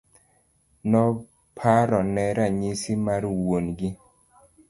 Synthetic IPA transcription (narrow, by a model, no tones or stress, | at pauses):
nɔ | pʰaɾɔnɛɾaɲisimaɾwonɡɪ